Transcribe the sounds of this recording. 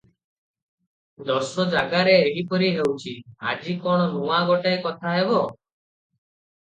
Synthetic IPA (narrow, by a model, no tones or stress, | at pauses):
d̪ɔsɔd͡ʒaɡaɾeːɦipɔɾiɦewt͡ʃʰia̰d͡ʒikɔɽ̃ɔɾuaɡɔʈajkɔt̪ʰaɦebɔ